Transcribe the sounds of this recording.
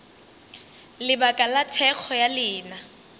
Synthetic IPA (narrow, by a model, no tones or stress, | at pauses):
lɪbakʼalatʰɛk͡xʰɔjalɪːna